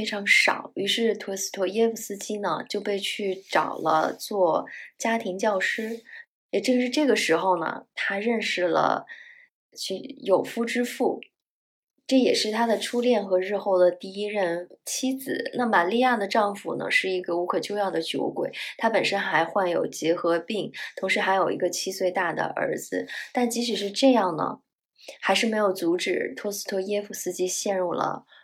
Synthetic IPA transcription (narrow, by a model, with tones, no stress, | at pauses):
fe˥ɪʈ͡ʂʰɑ˧˥ŋʂɑ̰˨˩˦ʊy˧˥ʂɻ̩˥˩t̪ʰwɔ˧˥s̩˥˩t̪ʰwɔ˧˥jɛ˥fu˥˩sɹ̩˥t͡ɕi˥nə˨t͡ɕjo˥˧ʊpe˥˧ɪt͡ɕʰy˥˩ʈ͡ʂɑ̰˨˩ʊlə̰˦t͡swɔ˥˩t͡ɕja˥t̪ʰi˧˥ŋt͡ɕjɑ˥˩ʊʂɻ̩˥ | ɛ˨˩ʈ͡ʂɤ˥˧ʂɻ̩˥˧ʈ͡ʂɤ˥˩ɡə˩ʂɻ̩˧˥xo˥˧ʊnə̰˩t̪ʰa˥ɻə˥˧nʂɻ̩˥˩lə̰˩ | t͡ɕʰy˥˧˩jo˨˩ʊfu˥˩ʈ͡ʂɻ̩˥fu˥˩ | ʈ͡ʂɤ˥˩jɛ˨˩ʂɻ̩˥˩t̪ʰa˥d̪ə˨ʈ͡ʂʰu˥ljɛ˥˩nxɤ˧˥ɻɻ̩˥˧xo˥˩ʊd̪ə˩t̪i˥˧i˥ɻə˥˩nt͡ɕʰi˥t͡sɹ̩˨˩na˥˩ma˨˩li˥˧ja˥˩d̪ə˩ʈ͡ʂɑ˥˧ŋfu˨˩nə̰˩ʂɻ̩˥˩i˧˥ɡə˧u˧˥kʰɤ˨˩t͡ɕjo˥˧jɑ˥˩ʊd̪ə˩t͡ɕjo˧˥ʊkwḛ˨˩ɪt̪ʰa˥pə˨˩nʂə˥nxa˧˥ɪxwa˥˩njo̰˨˩ʊt͡ɕjɛ˧˥xɤ˧˥pi˥˩ŋt̪ʰʊ˧˥ŋʂɻ̩˧˥xa˧˥ɪjo˨˩ʊḭ˧˥ɡə˧t͡ɕʰi˥swe˥˧ɪt̪a˥˩d̪ə̰˩ʔə̰˧˥d͡zɹ̩˧˦t̪a˥˩nt͡ɕi˧˥ɕ̬y˨˩ʂɻ̩˥˧ʈ͡ʂɤ˥˧jɑ˥˩ŋnə̰˩ | xa˧˥ɪʂɻ̩˥˩me˧˥ɪjo˨˩ʊt͡su˧˥ʈ͡ʂɻ̩˨˩t̪ʰwɔ˥sɹ̩˥˩t̪ʰwɔ˥jɛ˥fu˥˩sɹ̩˥˩t͡ɕi˧˥ɕjɛ˥˧nɻu˥˩lə̰˩